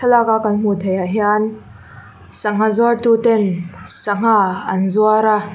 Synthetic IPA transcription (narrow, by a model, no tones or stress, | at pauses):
ɐlakakɐnm̥ut̪ʰajaɦian | sɐŋ̥azwart̪ut̪ɛnsɐŋ̥aɐnzuaɾa